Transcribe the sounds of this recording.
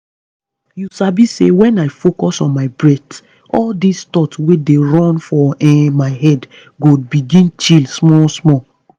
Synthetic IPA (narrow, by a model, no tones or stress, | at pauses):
jusabisḛwɛ̃naɪfokɔsɔ̃nmaɪbɹɛt | ɔldistɔtwedeɹɔ̃nfɔɛmaɪhɛd | ɡobiɡĩnt͡ʃilsmɔsmɔ